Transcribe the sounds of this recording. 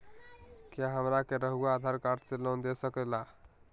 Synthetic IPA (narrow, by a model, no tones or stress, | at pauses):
kjaɦəmɾakeɾəɦuaːd̪ʱaɾkaɾʈselənd̪esəkɛla